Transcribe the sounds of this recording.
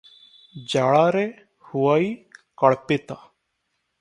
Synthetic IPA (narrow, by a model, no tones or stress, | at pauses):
d͡ʒaːɭaːɾe | huwaːiːkəɭpet̪aː